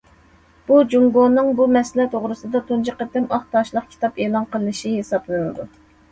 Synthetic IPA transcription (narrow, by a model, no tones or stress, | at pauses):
b̥ud͡ʒuŋɡonːɨŋbumɛslɛt̪ʰoʁɾɨsɨd̪ɑt̪ʰund͡ʒiqət̪ːɪmɑχt̪ɑʃlˠəq̚kʲʰi̥t̪ʰɑpeːlˠɑnqəlˠɨɨʃihesɑplˠɨnɨd̪u